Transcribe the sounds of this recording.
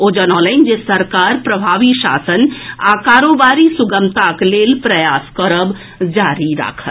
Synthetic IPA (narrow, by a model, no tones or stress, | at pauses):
od͡ʒənɔ̃ːnlaɪnd͡ʒesəɾkaːɾpɾəbʱaːʋiʃa̰ːsəna̰kaːɾobaːɾisʊɡəmt̪akleːlpɾəjaːskəɾəb | d͡ʒaɾiɾa̰kʰət̪